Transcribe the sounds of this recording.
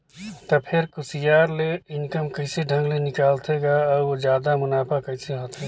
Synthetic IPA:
t̪ɔpʰɪɾkʊsijaːɾleɪnkəmkəɪseɖʱə̃ŋɡlenɪkaːlt̪ʰeɡaɔːɾʋod͡ʒjaːd̪amʊnaːpakəɪseɦoːt̪ʰe

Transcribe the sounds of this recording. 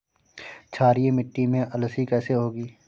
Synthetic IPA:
t͡ʃʰaːɾiemɪʈːimẽʔəlsikɛːseɦoːɡiː

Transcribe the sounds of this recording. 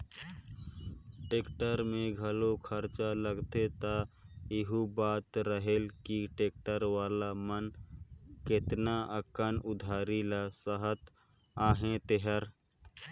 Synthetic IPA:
ʈeːkʈəɾmẽɡʱəlokʰəɾt͡ʃaləɡt̪et̪əɪɦubat̪ɾəɦelkiʈek̚ʈəɾʋaːlamən | ket̪naəkənʊd̪ʱaːɾilasəɦət̪ | aɦẽt̪eɦəɾ

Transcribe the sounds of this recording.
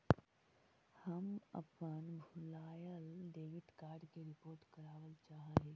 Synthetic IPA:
həmə̰pənbʱʊlaːjəlɖeːɡɪt̪kaːɾɖkeɾɪpoːɾʈkɐɾaːʋəlt͡ʃaːɦaɦeː

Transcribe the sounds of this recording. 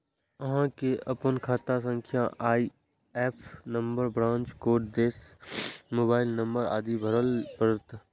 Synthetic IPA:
əɦãkeɐpənkʰaːt̪as̬ə̃ŋkʰjãʔaːi | ɛːpʰnə̃mbəɾbɾãːnt͡ʃkoːʈd̪eːs | moːbaːɪlnəmbəɾa̰ːd̪ibʱəɾəlpəɾət̪

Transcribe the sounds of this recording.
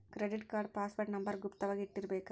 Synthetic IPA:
kɾɛɖɪʈkaːɾɖpaːsʋɐʈnɐmbɐɾɡʊpt̪ɐʋɐɣɪʈːɪɾbeːkː

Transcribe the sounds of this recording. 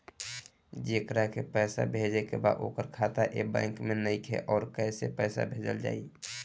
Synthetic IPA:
d͡ʒeːkɾakepɛːsa̰bʱed͡ʒekḛba̰ːd̪o̰ːkəɾkʰat̪aʔebɛ̰̃ːŋkmenəikʰḛʔɔːɾkɛɪsepɛːsa̰bʱeːd͡ʒəld͡ʒa̰ːi

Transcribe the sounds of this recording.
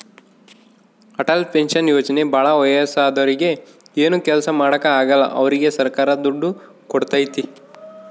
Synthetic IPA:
ɐʈɐlpenʃɐnjoːt͡ʃɐne̞bʱaːɭɐʋɐjɐsaːd̪ɐɾiɡe̞ | eːnukɛlɐsɐmaːɽɐkɐaːɡɐlːɐ̰ʔɐ̰ʋɐɾiɡe̞sɐɾkaːɾɐd̪uɖːu | kɔɽt̪ajt̪i

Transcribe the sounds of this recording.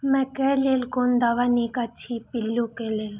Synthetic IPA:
mɛ̃kɛlelkond̪aʋanikat͡ʃʰipɪlːukelel

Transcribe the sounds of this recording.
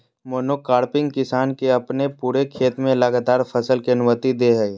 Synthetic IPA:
moːnokaːɾpɪ̃ŋɡkɪsaːnkeɐpnepuːɾekʰeːt̪mẽlɐɡaːt̪aːɾfʰɐsəlkiɐnʊmət̪id̪eɦəe

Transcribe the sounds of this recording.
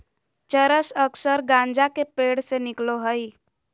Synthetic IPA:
t͡ʃəɾəsəksəɾɡãnd͡ʒakepeːɽsenɪkloɦəi

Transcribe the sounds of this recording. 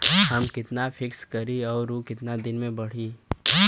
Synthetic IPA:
ɦɐmkɪt̪nafʰɪkskɐɾiɔːɾokɪt̪nad̪ɪnmẽbɐɽ̤iː

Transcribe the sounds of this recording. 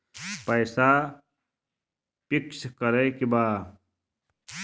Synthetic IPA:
pɐjsaː | pikskɐɾejkibaː

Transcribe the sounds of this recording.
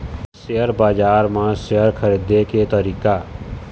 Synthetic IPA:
sejəɾbaːd͡ʒaːɾmãsejəɾkʰəɾid̪eket̪əɾiːka

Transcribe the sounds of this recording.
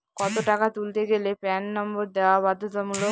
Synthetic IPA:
kɔt̪oʈakat̪ult̪eɡelepɛnːɔmboɾd̪eoabad̪ʱːot̪amulo

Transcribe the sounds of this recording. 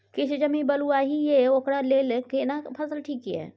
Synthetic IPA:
kit͡ʃʰd͡ʒəmibəluaɦijeokɽalelkenapʰəsəlʈʰiːkjɛ̰

